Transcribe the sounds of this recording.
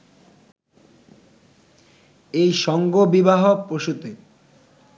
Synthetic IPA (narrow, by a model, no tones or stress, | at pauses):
ejʃɔŋɡobibaɦopɾoʃut̪e